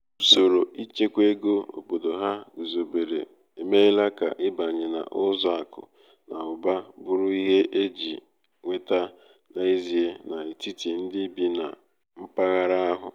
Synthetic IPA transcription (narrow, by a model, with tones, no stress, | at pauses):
u˦so˨ɾo˨i˦t͡ʃe˦kʷe˦ɡo˦o̰˨bo˨do˨ɦa˦ɡu˨zo˨be˨ɾḛ˨ | e˨me˦la˦ka̰˨ʔɪ˦ba˨ɲɪ˨na̰˨ʔʊ˦zɔ˦a˨kʊ̰˨ | na˨ʊ˨ba˦bʊ˨ɾʊ˦i˦ɦe˦ʔe˦d͡ʒi˨ | ŋʷe˨ta˦ | na˨i˦zi˨e˦na˨i˨ti˦ti˨n̩˦dɪ˦bi˦na̰˨ | m̩˦pa˦ɣa˦ɾa˦a˦ɦʊ̰˨